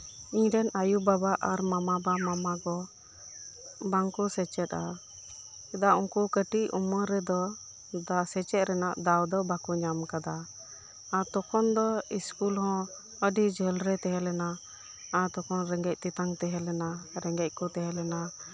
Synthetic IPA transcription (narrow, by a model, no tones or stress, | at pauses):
iɲɾɛnajubabaʔaɾmamabamamaɡɔ | baŋkɔsɛt͡ʃɛt̪a | ɛd̪auŋkukəʈiʔṵməɾɛd̪ɔ | d̪asɛt͡ʃɛt̪̚ɾɛnaʔd̪awd̪ɔbakuɲamkad̪a | at̪ɔkʰɔnd̪ɔiskulɦɔ̃ | əɖid͡ʒəlɾɛt̪ɛɦɛlɛnaː | ɾt̪ɔkɔnɾɛŋɡɛc̚t̪it̪aŋt̪ɛɦɛlɛnaɾɛŋɡɛc̚kɔt̪ɛɦɛlɛna